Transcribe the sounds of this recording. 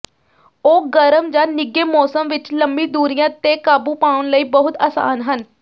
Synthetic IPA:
oːɡəɾəmd͡ʒaːnɪɡeːmɔːsəmʋɪt͡ʃləmbiːd̪uːɾɪjãːt̪eːkaːbuːpaːʊnləiːbəɦʊt̪a̰ːsa̰ːnɦən

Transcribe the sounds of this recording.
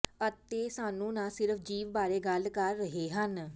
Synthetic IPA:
ət̪eːsaːnũːnãːsɪɾəpʰd͡ʒiːʋbaːɾeːɡəlkəɾːəɦeːɦən

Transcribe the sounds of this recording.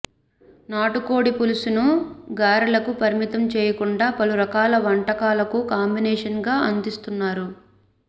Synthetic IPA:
naːʈukoːɽipulusunuɡaːɾɐlɐkupɐɾimit̪ɐmt͡ʃɛːjɐkuɳɖaːpɐluɾɐkaːlɐʋɐɳʈɐkaːlɐkukaːmbinɛːʂɐnɡaːʔɐnd̪ist̪unːaːɾu

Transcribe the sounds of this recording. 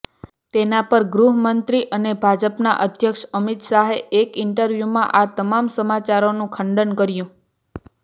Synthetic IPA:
t̪enapəɾɡɾuɦəmənt̪ɾiʔənebʱad͡ʒəpnaʔəd̪ʱjəkʃəmit̪ʃaɦeʔekɪɳʈəɾʋjumãʔat̪əmamsəmat͡ʃaɾonũkʰəɳɖənkəɾjũ

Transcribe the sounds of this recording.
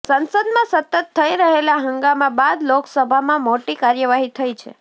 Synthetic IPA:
sənsəd̪mãsət̪ət̪ʰːəiɾəɦelaɦəŋɡamãbad̪loksəbʱamãmoʈikaɾjəʋaɦit̪ʰəjt͡ʃʰḛ

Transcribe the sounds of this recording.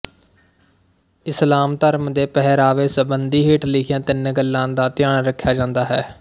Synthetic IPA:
ɪslaːmt̪əɾmd̪eːpɛɦɾaːʋeːsəbənd̪iːɦiːʈlɪkʰɪjãːt̪ɪnɡəlːãːd̪aːt̪ɪjaːɳɾəkʰːjaːd͡ʒãːnd̪aːɦɛ̰ː

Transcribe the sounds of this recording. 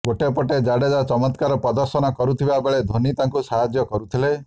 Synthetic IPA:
ɡoʈepɔʈed͡ʒaɽed͡ʒat͡ʃɔmɔt̪kaɾɔpɔd̪ɔɾsɔnɔkɔɾut̪ʰibabeɭed̪ʱonit̪aŋkusaɦad͡ʒjɔkɔɾut̪ʰile

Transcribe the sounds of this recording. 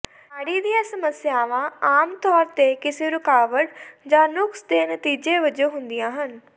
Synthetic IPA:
aːɽiːd̪ijãːsəməsɪjaːʋãːaːmt̪ɔːɾt̪ekɪseːɾʊkaːʋəʈd͡ʒãːnʊksd̪eːnət̪iːd͡ʒeːʋəd͡ʒoːɦʊ̃nd̪ɪjãːɦən

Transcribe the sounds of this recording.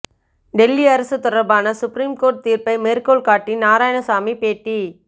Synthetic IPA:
ɖɛlːiɐɾɐsɯt̪ɔɽɐɾbaːnɐsʊpɾiːmkoːɾʈ̚t̪iːɾpɐɪmeːɾkoːlkaːʈːinaːɾaːjɐnɐsaːmipeːʈːi

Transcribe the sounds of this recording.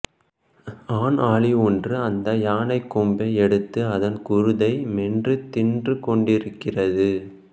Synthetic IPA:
aːnaːɭɪɔndrɯɐnd̪ɐjaːnɐɪkːʊmbɐɛɽɯt̪ːɯɐðɐnkʊɾɯðɐɪmɛndrɯt̪ɪndrɯkɔɳɖɪɾɯkːɪrɐðɯ

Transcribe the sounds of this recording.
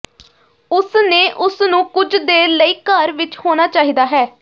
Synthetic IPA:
ʊsneːʔʊsnũːkʊd͡ʒd̪eːləiːkəɾʋɪt͡ʃhoːnaːt͡ʃaːɦiːd̪aːɦɛː

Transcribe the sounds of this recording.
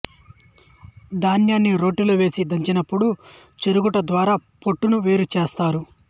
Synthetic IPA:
d̪aːnjaːnːiɾo̞ːʈːiloːʋe̞ːsid̪ɐɲt͡ʃinɐpːuɽu | t͡ʃeɾuɡuʈɐd̪ʋaːɾaːpo̞ʈːunuʋe̞ːɾut͡ʃeːst̪aːɾu

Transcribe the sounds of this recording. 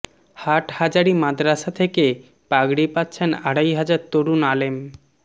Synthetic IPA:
haʈhad͡ʑaɾimad̪ɾaʃat̪ʰeke | paɡɽipatːɕʰenaɽajɦad͡ʑaɾt̪oɾunalem

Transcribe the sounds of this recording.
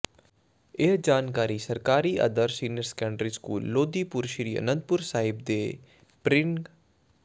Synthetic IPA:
ed͡ʒaːnkaːɾiːsəɾkaːɾiːʔə̰d̪əɾsiːnjəɾskɛ̃ːɳɖɾiːskṵːlːoːd̪iːpʊɾʃɾiːə̰nə̃nt̪̚pʊɾsaːɪbd̪eː | pɾɪ

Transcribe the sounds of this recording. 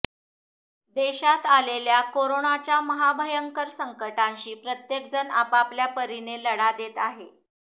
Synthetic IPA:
d̪eɕat̪aleljakoɾoɳat͡ɕjaməɦabʱəjəŋkəɾsəŋkəʈãnɕiːpɾət̪jek̚d͡zənapapljapəɾineləɽad̪et̪aɦe

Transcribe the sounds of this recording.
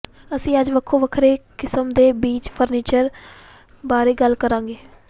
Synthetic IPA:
əsĩːəd͡ʒʋəkʰːoːʋəkʰɾeːkɪsəmd̪eːbiːt͡ʃpʰəɾniːt͡ʃəɾ | baːɾeːɡəlkəɾãːŋɡeː

